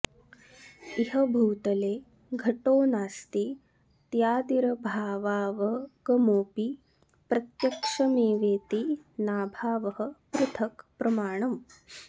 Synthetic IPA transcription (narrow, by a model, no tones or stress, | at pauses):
iɦɐbʱɐwt̪ɐleː | ɡʱɐʈoːnaːst̪i | t̪jaːd̪iɾɐbʱaːʋaːʋɐɡɐmoːpi | pɾɐt̪jɐkʂɐmeːʋeːt̪inaːbʱaːʋɐɦɐ̆pɾut̪ʰɐkpɾɐmaːɳɐm